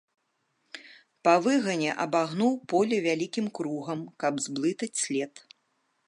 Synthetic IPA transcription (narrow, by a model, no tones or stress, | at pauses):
pɐvɨɣɐnʲɛʔɐbaɣnuwpɔlʲɛvʲalʲikʲimkɾuɣɐmkɐbzblˠɨt̪ɐt͡sʲsʲlʲɛt̪